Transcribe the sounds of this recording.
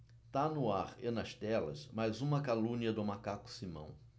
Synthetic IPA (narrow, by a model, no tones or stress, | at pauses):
t̪anʊaɾenɐst̪ɛlɐ̰smajzũmɐkalũniɐd̪ʊmakakʊ̥simɐ̰̃w̃